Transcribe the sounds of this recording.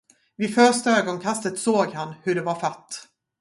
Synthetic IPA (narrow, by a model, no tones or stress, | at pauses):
vɪfœʂʈaøːɡɔnkʰast̪ət̪soːɡhanhɵɖɛvaɾfat̪ː